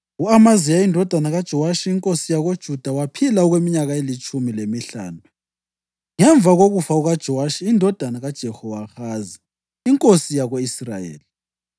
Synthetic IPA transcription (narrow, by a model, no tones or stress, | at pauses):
ɣuamazijaindʱɔd̥ʱanaɣad̥ʒ̥ʱɔwaʃiiŋkʼosijaɣod̥ʒ̥ʱud̥ʱawapʰilaɔɣwemiɲaɣaelit͡ʃʼumilemiɬa̰ːnu | ŋɛɱvʱaɣoɣufauɣad̥ʒ̥ʱɔwaʃiːndʱɔd̥ʱanaɣad̥ʒ̥ʱɛhɔwaxaːzi | iŋkʼosijaɣoisra̰jḛːli